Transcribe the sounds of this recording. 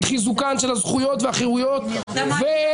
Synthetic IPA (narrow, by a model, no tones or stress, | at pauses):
χizukanʃelazχujo̞t̪veaχeʁujot̪ve